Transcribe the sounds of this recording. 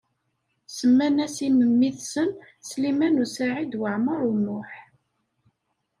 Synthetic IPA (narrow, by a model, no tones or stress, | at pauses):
səmːænæsiməmːiθsən | slimænusaʕid̪wəʕməɾˤunːʊħ